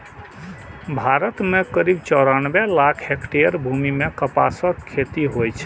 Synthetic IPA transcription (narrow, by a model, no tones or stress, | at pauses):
bʱaɾət̪mekəɾibt͡ʃɔɾanbelakʰɦekʈeəɾbʱumimekəpa̰səkʰːet̪iɦojt͡ʃʰ